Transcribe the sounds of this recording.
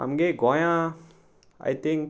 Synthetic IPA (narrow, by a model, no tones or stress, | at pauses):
ã̰mɡeɡɔjã | a̰jt̪ɪ̃ŋk